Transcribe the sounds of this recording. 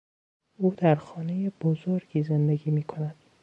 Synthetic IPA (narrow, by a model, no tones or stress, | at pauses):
uːd̪æɾxɒːne̞jeb̥ozoɾɡiːze̞nd̪eɡiːmiːkʰo̞næd̪̥